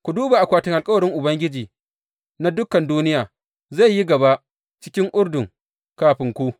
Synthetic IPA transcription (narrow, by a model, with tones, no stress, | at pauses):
kʷu˨duː˦ba˨ʔa˨kʷaː˨tɪ˦ŋʔa˨lkʼɐ˦wɐ˨ɽɪ˦ŋʔʊ˨bɐ˦ŋɡʲɪ˦d͡ʒiː˨ | na˦dʊ˦kɐ˨nduː˦nɪ˦jaː˨ | za˦˨jːi˦ɡɐ˨ba˦ | t͡ʃɪ˦kʲɪ˦ŋʔʊ˦ɽdʊ˨ŋ | kaː˦ɸɪ˨˦ŋkʷu˦